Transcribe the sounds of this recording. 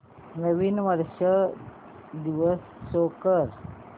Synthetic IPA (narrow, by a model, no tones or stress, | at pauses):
meʋinʋəɾɕə | d̪iʋəsːokəɾ